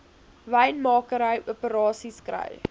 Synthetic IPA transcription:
ʋɛjnmɑːkəɾəjupəɾɑːsiskrə̰j

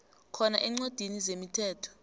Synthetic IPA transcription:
kʰɔnaʔɛŋ͡ǀod̥ʱinizemitʰɛːtʰɔ̥

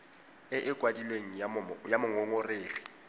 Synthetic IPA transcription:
ɪʔɪkʼwadilweŋ̩jajamʊŋoŋʊreːɣɛ̥

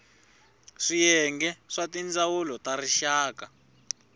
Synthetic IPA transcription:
ʂijɛŋɡɛʂatind͡zawulɔtariʃaːka

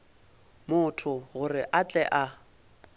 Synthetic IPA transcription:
mʊtʰʊɣʊrɪʔat͡ɬʼɛʔa

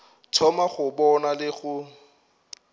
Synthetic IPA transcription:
t͡sʰɔmaχʊbɔnalɪɣʊ

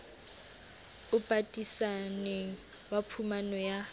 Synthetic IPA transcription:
ʊpʼatʼisanɛ | wapʰumanɔja

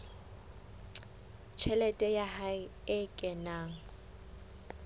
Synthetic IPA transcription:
t͡ʃʰɛlɛtʼɛjahaɪɪkʼɛnaːŋ̩

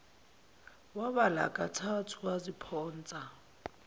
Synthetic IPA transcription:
waβala̰kʼatʰatʰuwazipʰɔːn̩ːt͡sʼa

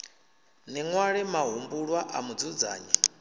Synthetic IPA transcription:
nɛŋwaɺɛmaɦumbuɺwaʔamud͡zud͡za̰ːɲɛ

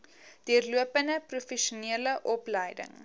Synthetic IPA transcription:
d̥iərluəpəndəprufɛʃuniələʔɔpləjdə̰ŋ

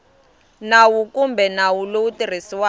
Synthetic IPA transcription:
nawukumbɛnawulowutir̤isiwa

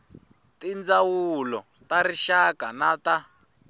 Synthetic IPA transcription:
tind͡zawulɔ | taɾiʃakanata

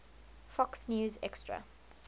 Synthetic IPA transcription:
fɔksnjuːzɛ̰kstɹa̰

